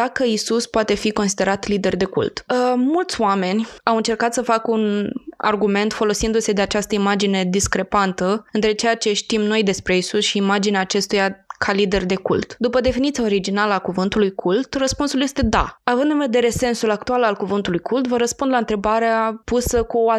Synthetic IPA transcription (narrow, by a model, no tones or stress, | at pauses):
d̪akəisuspoat̪e̞fiko̞nsid̪e̞ɾat̪lid̪e̞rd̪e̞kṵlt̪əmult̪sʲoame̞nʲawɨnt͡ʃe̞rkat̪səfakuna̰rɡume̞nt̪fo̞lo̞sind̪use̞d̪e̞at͡ʃast̪əimad͡ʒine̞d̪iskɾe̞pant̪əɨnt̪ɾet͡ʃe̞jat͡ʃe̞ʃt̪imno̞jd̪e̞spɾe̞isusʃiːmad͡ʒineaːt͡ʃe̞st̪ujakʰalid̪e̞rd̪e̞kṵlt̪d̪upəd̪e̞finit̪sijao̞ɾid͡ʒinaləakuvɨnt̪ulujkʰult̪rəspunsulje̞st̪e̞d̪a̰avɨnd̪ɨnve̞d̪e̞ɾe̞se̞nsulakt̪ualalkuvɨnt̪ulujkʰult̪vəɾəspund̪laɨnt̪ɾe̞baɾeapusəkuoa